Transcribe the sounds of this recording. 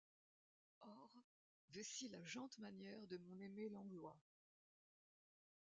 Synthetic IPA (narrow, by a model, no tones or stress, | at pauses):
ɔʁ | vɛsilaʒɑ̃t̪manjɛʁd̪əmɔ̃nemelɑ̃ɡlwa